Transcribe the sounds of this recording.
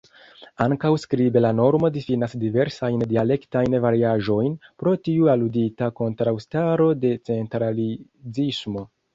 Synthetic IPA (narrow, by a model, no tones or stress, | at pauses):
aŋkawskɾibe̞lano̞ɾmo̞difinasdive̞ɾsajndiale̞ktajnvaɾiaʒo̞jnpɾo̞tiualuditako̞ntɾawstaɾo̞de̞t͡se̞ntɾali | zismo̞